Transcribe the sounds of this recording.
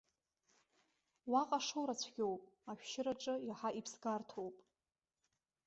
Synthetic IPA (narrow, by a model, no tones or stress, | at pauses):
waqʼaʂowɾat͡sʷʰɡʲowpʼaʃᶣʃɪɾaʈ͡ʂʼɨjaħaʔipʰsɡartʰowpʼ